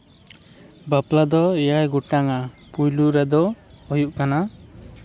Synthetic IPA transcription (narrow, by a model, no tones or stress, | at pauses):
baplad̪ɔɛjajɡuʈaŋapujluɾɛd̪ɔː | juʔkana